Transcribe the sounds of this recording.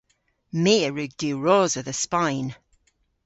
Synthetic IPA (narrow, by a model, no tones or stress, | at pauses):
miːəɹʉɡ̚diːɹoːzəðəspajn